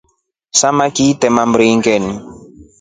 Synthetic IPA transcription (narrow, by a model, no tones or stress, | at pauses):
samakitɛmambɾiŋɡɛni